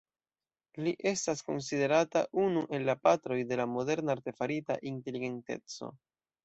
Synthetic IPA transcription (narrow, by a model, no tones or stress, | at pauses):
liʔe̞stasko̞̰ns̬ide̞ɾataʔunuʔe̞lːapatɾo̞jde̞lamo̞de̞ɾnaaɾte̞faɾita̰ʔinte̞liɡe̞nte̞̰t͡so̞̰